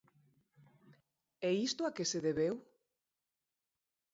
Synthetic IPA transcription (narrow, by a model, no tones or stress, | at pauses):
ɛist̪oakeseðeβew